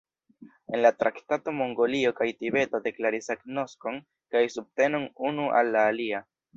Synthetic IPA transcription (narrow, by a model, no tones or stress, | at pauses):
e̞nlatɾaktato̞mo̞ŋɡo̞lio̞kajtibe̞tode̞klaɾisaɡno̞sko̞n | kajsub̚te̞no̞nunuʔa̰lːaːlia